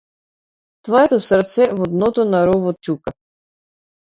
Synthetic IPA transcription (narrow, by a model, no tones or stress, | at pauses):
t̪vɔjɛt̪ɔsərt̪sɛvɔd̪nɔt̪ɔnaɾɔvɔt͡ʃuka